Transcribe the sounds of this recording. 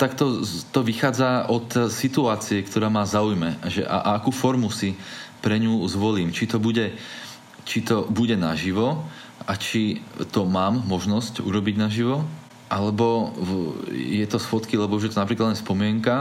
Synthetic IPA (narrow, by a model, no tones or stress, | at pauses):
t̪akt̪ɔt̪ɔʋixaːd͡zaʔɔt̪sit̪uaːt͡siɛkt̪ɔɾaːmaːzaujmɛʒɛ̰ʔa̰ʔaakuːfɔɾmusipɾɛɲuːzʋɔliːmt͡ʃit̪ɔbuɟɛ | t͡ʃit̪ɔbuɟɛnaʒiʋɔ | at͡ʃit̪ɔmaːmːɔʒnɔscṵɾɔbiɟnaʒiʋɔ | ʔalɛbɔ | jɛt̪ɔsfɔt̪kilɛbɔuʒjɛt̪ɔnapɾiklad̪lɛnspɔmɪɛŋka